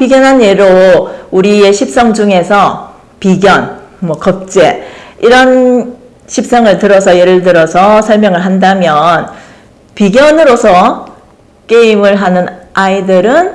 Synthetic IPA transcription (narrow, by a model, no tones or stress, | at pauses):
piɡjʌnɦanjeɾouɾie̞ɕʰip̚s͈ʌŋd͡ʑuŋe̞sʰʌ | piɡjʌnmwʌkʌp̚t͡ɕ͈e̞iɾʌn | ɕʰip̚s͈ʌŋɯɭtɯɾʌsʰʌjeɾɯɭdɯɾʌsʰʌsʰʌɭmjʌŋɯɭɦandamjʌn | piɡjʌnɯɾosʰʌ | k͈e̞imɯɭɦanɯnaidɯɾɯn